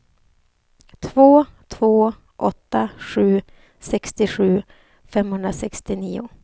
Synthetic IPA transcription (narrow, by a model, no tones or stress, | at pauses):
t̪ʰvoːt̪ʰvoː | ʔɔt̪ːaɧʉ̟ː | sɛkst̪ɪɧʉ̟ː | fɛmhɵnd̪ɾasɛkst̪ɪniːʊ